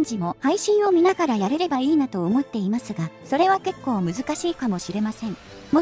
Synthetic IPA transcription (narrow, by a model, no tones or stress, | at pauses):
ɲd͡ʑimo̞haiɕĩɰ̃o̞mʲinaɡaɾajaɾe̞ɾe̞baiːnat̪o̞ːmo̞t̪ːe̞imasɨɡaso̞ɾe̞β̞ake̞kːo̞ːmɯ̟zɨkaɕiːkamo̞ɕiɾe̞masẽ̞ŋ | mo